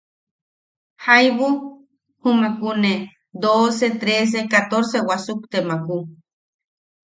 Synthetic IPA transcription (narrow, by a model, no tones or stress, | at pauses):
hajβu | humakune | d̪oset̪ɾes̬ekat̪oɾsewasukt̪emaku